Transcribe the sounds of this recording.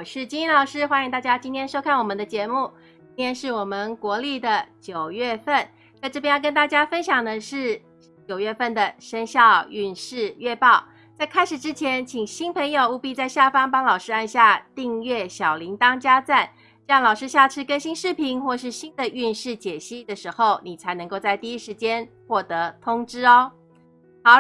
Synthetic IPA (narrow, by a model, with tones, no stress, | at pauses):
wɔ˨˩ʂɻ̩˥˩t͡ɕi˥ni˥˧nlɑ˨˩ʊʂɻ̩˥xwa˥ni˧ŋt̪a˥˩t͡ɕja˥t͡ɕi˥nt̪ʰjɛ˥nʂo˥ʊkʰa˥˩nwɔ˨˩mə˦nd̪ə˧t͡ɕjɛ˧˥mu˥˩ | t͡ɕi˥nt̪ʰjɛ˥nʂɻ̩˥˩wɔ˨˩mə˧˦nkwɔ˧˥li˥˩d̪ə˩t͡ɕjo˨˩ʊɥɛ˥˧fə˥˩n | t͡sa˥˧ɪʈ͡ʂɤ˥pʰjɛ˥jkə˥nt̪a˥˩t͡ɕja˥fə˥nɕjɑ˨˩ŋd̪ə˦ʂɻ̩˥˩ | t͡ɕjo˨˩ʊɥɛ˥˧fə˥˩nd̪ə˩ʂə˥nɕjɑ˥˧ʊy˥˧nʂɻ̩˥˧ɥɛ˥˧pɑ˥˩ʊ | t͡sa˥˩ɪkʰa˥ɪʂɻ̩˨˩ʈ͡ʂɻ̩˥t͡ɕʰjɛ˧˥nt͡ɕʰi˨˩ŋɕi˥npʰə˧˥ŋjo˨˧ʊu˥˧pi˥˧t͡sa˥˧ɪɕja˥˩fɑ˥ŋpɑ˥ŋlɑ˨˩ʊʂɻ̩˥˧a˥˧nɕja˥˧t̪i˥˧ŋɥɛ˥˩ɕjɑ˨˩ʊli˧˥ŋt̪ɑ˥ŋt͡ɕja˥t͡sa˥˩n | ʈ͡ʂɑ˥˩ŋlɑ˨˩ʊʂɻ̩˥ɕja˥˩ʈ͡ʂʰɻ̩˥kə˥nɕi˥nʂɻ̩˥˩pʰi˧˥ŋxwɔ˥˧ʂɻ̩˥˩ɕi˥nd̪ə˨ʔy˥˧nʂɻ̩˥˩t͡ɕjɛ˨˩ɕi˥d̪ə˨ʂɻ̩˧˥xo˥˩ʊni˨˩t͡sʰa˧˥ɪnɤ˧ŋko˥˧ʊt͡sa˥˧ɪt̪i˥˩i˦˥ʂɻ̩˧˥t͡ɕjɛ˥nxwɔ˥˩t̪ɤ˧˥t̪ʰʊ˥ŋʈ͡ʂɻ̩˥ɔ˦ | xɑ˧˥ʊ